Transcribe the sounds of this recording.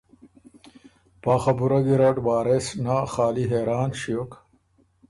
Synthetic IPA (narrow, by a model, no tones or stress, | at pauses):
paːχɐbuɾɐɡiɾɐʈbaːɾesnaχaːliɦeːɾaːnɕijok